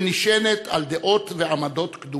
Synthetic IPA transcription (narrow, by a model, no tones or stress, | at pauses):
niʃenet̪a̰ld̪eʔo̞t̪veamad̪o̞t̪kd̪u